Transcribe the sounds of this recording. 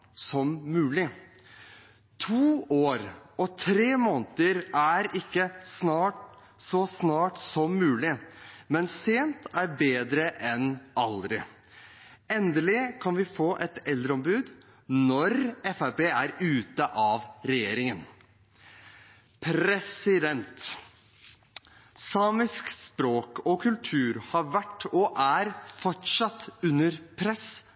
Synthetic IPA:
sɔmːʉːlɪ | t̪ʰuːoːɾɔt̪ʰɾeːmoːnt̪əɾæɾɪkːəsnɑːʈ | sɔsnɑːʈsɔmːʉːlɪmɛnseːnt̪æɾbeːd̪ɾəʔɛnɑld̪ɾɪ | ɛnd̪əlɪkʰɑnʋɪfoːʔɛt̪ɛld̪ɾəɔmbʉːd̪ | nɔɾɛfæpeːæɾʉːt̪əʔɑʋɾɛjeːɾɪŋən | pʰɾɛsɪd̪ɛnt̪ | sɑːmɪskspɾoːkɔkʰʉlt̪ʰʉːɾhɑɾʋæʈːɔʔæɾfɔʈʂɑt̪ːʉnːəɾpʰɾɛs

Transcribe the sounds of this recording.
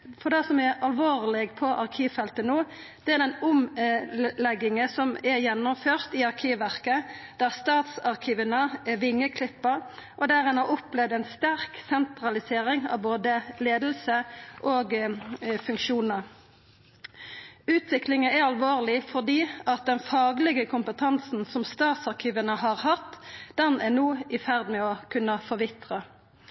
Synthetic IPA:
fɔd̪ɛsɔmɛɑlʋoːʁlɪɡpʰɔʔɑʁkʰiːʋfɛlt̪ənuː | d̪̥ɛæʁd̪ɛnʊm | lɛɡːɪŋəsɔmɛʁjɛnːʊmføːʁt̪iːɑʁkʰiːʋʋæʁkəd̪̥æʁst̪ɑːt̪sɑʁkʰiːʋənəɛʋɪŋːəkʰlɪpːəʁʔɔd̪æːɾɛnhɑɾɔplɛʋd̪ɛnst̪æʁksɛnt̪ɾɑlɪseːɾɪŋɑ̰ʋboːd̪əleːd̪l̩səʔoːɡ | fʉŋkʃuːnəʁ | ʉːt̪ʰʋɪklɪŋəæʁɑlʋoːʁlɪfɔʁd̪iːɑt̪̚d̪ɛnfɑːɡlɛɡəkʰʊmpət̪ʰɑnsn̩sɔmst̪ɑːt̪sɑʁkʰiːʋənəhɑːʁhɑt̪ːd̪̥ɛnæʁnuːɪfæʁd̪mɛɔkʰʉnːəfɔʁʋɪt̪ʁə

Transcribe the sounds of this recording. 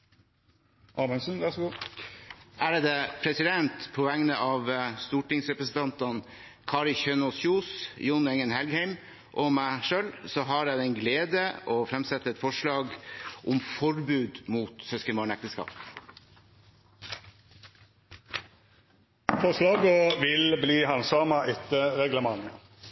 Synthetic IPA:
ʔɑːmɛnsnʋæʂɔɡuː | ʔæːɾd̪eːpʰɾɛsɪd̪ɛnt̪pʰɔʋɛŋnəʔɑːʋst̪uːʈɪŋsɾɛpɾəsn̩t̪ʰɑnt̪ɑn | kʰɑːɾɪçœnɔsçuːsjʊnɛŋənhɛlɡhæɪm | ʔɔːmæɪʂøːlsɔɦɑɾjæɪd̪ɛɪnɡleːd̪əɔfɾɛmsɛt̪ːəɛt̪fɔʂɭɑːɡʔʊmfɔɾbʉːd̪muːt̪sœskəmɑːɳɛk̚t̪əskɑ̰ːp | fɔʂlɑːɡəʋɪlbliːhɑnsɑːmɑʔɪt̪ːəʁɛɡləmɑŋːə

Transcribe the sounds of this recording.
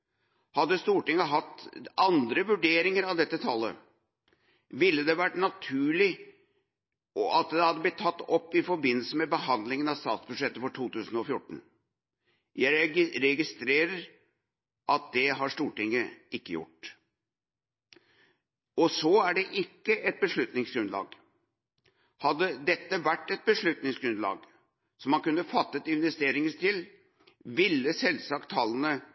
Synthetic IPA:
hɑd̪ːəst̪uːʈɪŋːəɦɑt̪ːɑnd̪ɾəʋʉɖeːɾɪŋəɾɑʋd̪ɛt̪ːət̪ʰɑlːə̰ | ʋɪlːəd̪ɛʋæʈnɑt̪ʰʉːɭɪ | ɔʔɑt̪̚d̪ɛhɑd̪ːəblɪt̪ʰːɑt̪ːɔpːɪfɔɾbɪnːl̩səmɛbəhɑnd̪lɪŋənɑʋst̪ɑ̰ːt̪sbʉʂɛt̪ːəfɔʈʰuːt̪ʉːsən̩ɔfjʊʈːn̩ | jæɪɾɛɡɪst̪ɾeːɾəɾ | ʔɑt̪̚d̪̥ɛɦɑʂt̪uːʈɪŋːəɪkːəjʊ̰ʈ | ɔsɔæɖɛʔɪkːəʔɛt̪̚bəʂɭʉt̪nɪŋsɡɾʉnd̪lɑ̰ːɡ | hɑd̪ːəd̪ɛt̪ːəʋæʈːɛt̪̚bəʂɭʉt̪nɪŋsɡɾʉnd̪lɑ̰ːɡ | sɔmːɑnkʉnːəfɑt̪ːət̪ɪnʋɛst̪eːɾɪŋət̪ɪl | ʋɪlːəsɛlsɑkt̪ʰːɑlːənə

